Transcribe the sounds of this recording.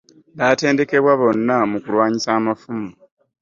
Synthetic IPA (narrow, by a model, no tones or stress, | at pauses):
βaːte̞ːnde̞ke̞βwaβo̞nːamukulwaːɲisaːmafumu